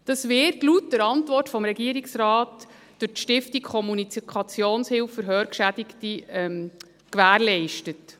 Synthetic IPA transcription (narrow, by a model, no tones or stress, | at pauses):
d̥ɑsʋɪrtlutdəɾɑntʋɔrtfɔmɾɛɡiəɾiksrɑːt | d̥ʊɾtʃtɪftikkʰɔmunikʰɑt͡sjoːnshɪlfəɾɦœːɾkʃædɪktiɛm | kʋæːɾlɛɪʃtət